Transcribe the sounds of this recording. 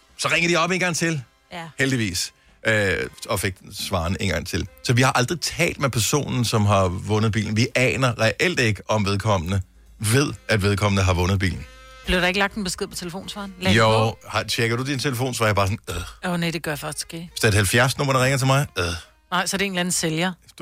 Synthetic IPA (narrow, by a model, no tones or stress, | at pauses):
sɒ̽ʁeŋɐɾ̥iɒ̽b̥e̝ːnŋɡ̥ɑ̈ŋt͡sʰe̝l | held̥iʋḭːs | ʔɒ̽fe̝ɡ̥̚sʋɑ̈ːne̝nɡɑ̈ŋ̰t͡sʰe̝lsɒ̽ʋihɑ̈ʔɑ̈ld̥ʁit͡sʰɛ̰ːld̥mepʰæɐso̝̰ːnn̩sɒ̽mɦɑ̈ʋɔ̽nð̩ˠb̥ḭːln̩ʋiʔɛ̰ːnɐʁɛʔel̰d̥e̝ɡ̥əʔɒ̽mʋeðˠkʰɒ̽m̰nə | ʋe̝ð̞̰ˠæd̥ʋe̝ð̞ˠkʰɒ̽m̰nəɦɑ̈ʋɔ̽nð̞̩ˠbḭːln̩ | b̥le̝ʊɾɑe̝ɡ̥əlɑ̈ɡ̥̚d̥enb̥esɡ̥eð̰ˠpʰɒ̽t͡sʰe̝ləfo̝̰ːnsʋɑ̰̈nljohɑt͡ɕʰeɡ̥ɐd̥ud̥int͡sʰe̝ləfo̝̰ːnsʋɑ̈ːjɐbɑ̈ːsnðoned̥eɡ̥ɶɐjfɶsd̥sɡ̥eːe̥sd̥eɐd̥hælfjæɐsno̽m̰ɐɾ̥ɑʁɛŋɐt͡sʰemɑ̈ɪðˠ | nɑ̈ɪsɒɾee̝ːnlænn̩seljɐ̥